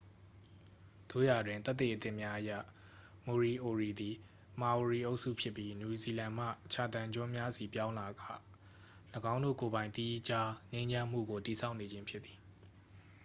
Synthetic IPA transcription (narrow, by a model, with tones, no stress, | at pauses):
d̪̥o̰˦˨ja˨dwɪ̃˨nt̪ɛ˦t̪ːe˨ʔət̪ɪ̰̃˦ʔmja˦ʔəjä̰˦˨ | mo˨ɹi˨ʔo˨ɹi˨d̪i˨ | ma˨wo˨ɹi˨ʔo˦ʊʔsṵ˦˨pʰjɪ˦pːji˦nju˨zi˨lã˨m̥ä̰˦˨t͡ɕʰa˨t̪ã˨ɲd͡ʑɔ˦mja˦zi˨pjã˦ʊ̃la˨ɡa̰˦˨ | ləɡã˦ʊ̃ndo̰˦˨ko˨bã˨ɪ̃t̪i˦t͡ɕa˦ɲẽ˦ɲd͡ʑã˦m̥ṵ˦˨ɡo˨ti˨sʰa˦ʊʔne˨d͡ʑɪ̃˦mpʰjɪ˦t̪t̪ːi̥˨